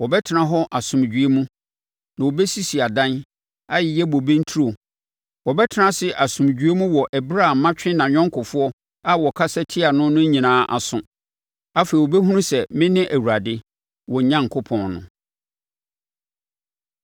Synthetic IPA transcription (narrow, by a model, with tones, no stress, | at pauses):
wɔ˨bɛ˦tʰɪ˨nã˨ɦɔ˦ʔa˨sʊ̃˨m˨d͡ʑᶣɥe˦mũ˦ | nã˨wo˨bɛ˦si˦si˨a˨dã˦n | a˦jɪ˨jɛ˦bo˨bẽ˦n̩˦tʰi˦ɾo˨ | wɔ˨bɛ˦tʰɪ˨nã˦sɪ˦ʔa˨sʊ̃˨md͡ʑᶣɥe˦mũ˦wɔ˨ʔɛ˨bɾa˦˨m˨mːã˦t͡ɕᶣɪ̃˦nã˨ɲᶣɔ̃˦ŋ˦kʰʊ˨fʊ˦ɔ˦ | a˦wɔ˨kʰa˦sɛ˦tʰi˦a˨nʊ̃˦nʊ̃˦ɲĩ˨nãː˨˦ʔa̰˨sʊ̃˨ | a˦fe˨i˨wo˨bɛ˦ɦũ˦nũ˦sɛ˨mɪ̃˦nɪ̃˦ʔæ˨wu˨ɾa˨dɪ˦ | wɔ˨ɲã˦ŋ˨kʰʊ˦pʰɔ̃˨nnʊ̰̃˨